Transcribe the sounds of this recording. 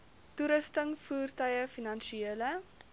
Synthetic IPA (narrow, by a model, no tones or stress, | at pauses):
tuɾəstəŋfuːrtœjəfinɐnʃieələ